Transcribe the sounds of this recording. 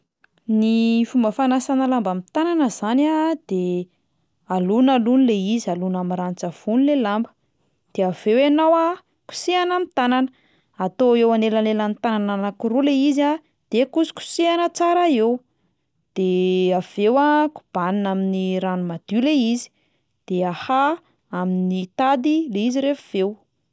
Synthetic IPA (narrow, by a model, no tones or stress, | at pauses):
nifumbəfanasanalambamit̪ananəzanad̪̥e | alunalunileizialunamirant͡sav̥unlelambə̥ | d̪̥eav̥ewanawa | ku̥sianamit̪anan | at̪oewanelanelant̪anananakuɾuleiza | d̪̥ekusu̥ku̥sianət͡saɾaew | d̪̥eav̥ewaku̥b̥aninaminiɾanumad̪̥ileizi̥ | d̪̥eaha | aminit̪ad̪ileiziɾefav̥ew